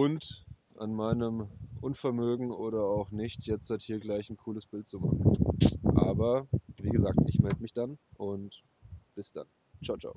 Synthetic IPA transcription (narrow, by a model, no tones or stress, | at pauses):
ʔʊnt | ʔanmaɪnəmʔʊnfɛɐmøːɡŋ̩oːɾɐaʊxnɪçtʰjɛt͡sthathiːɐɡlaɪçn̩kʰuːləsb̥ɪltt͡suma̰χ | ʔaːbɐviːɡəzaːk̚tʔɪ̰çmɛldəmɪçd̥anʔʊnt | b̥ɪsd̥a̰n | t͡ʃaʊt͡ʃa̰ʊ